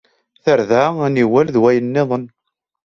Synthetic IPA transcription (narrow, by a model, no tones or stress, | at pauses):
θəɾðaæniwælðwæjənːeðˤən